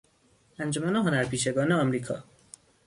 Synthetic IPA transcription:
ænd͡ʒomænoɦonæɾpʰiːʃeɡɒːneɒmɾiːkʰɒ̰ː

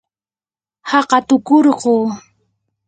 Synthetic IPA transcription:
hɑqɑt̪ʊkoɾɢoː

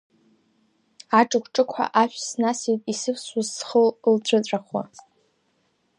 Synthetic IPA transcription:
aʈ͡ʂʼɨkʷʰʈ͡ʂʼɨkʷʰħa̰ʔaʃʷᶣsnasijtʼisɨpʰsazsχəllt͡ɕʷʰʼɨt͡sʷʼaχwa̰

